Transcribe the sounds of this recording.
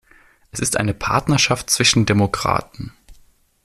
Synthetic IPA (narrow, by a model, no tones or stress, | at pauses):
ʔɛsɪstʔa̰ɪnəpʰa̰ɐtnɐʃaftt͡sv̥ɪʃn̩demokʁ̥a̰ːtn̩